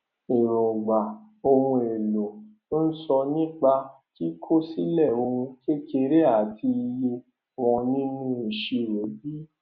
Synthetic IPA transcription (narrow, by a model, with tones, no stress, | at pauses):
i˨ɾɔ̃˨ɡ͡ba˨ | o˧hũ˧e˨lo˨to˦n̩˦sɔ˧nĩ˦k͡pa˧ | ki˦kʰo˦si˦lɛ˦˨o˧ũ˧ke˦ke˧˦ɾe˦a˨tʰi˧je˧ | w̃ɔ̃˧nĩ˦nũ˦e˨ʃe˧˨we˨˦bi˦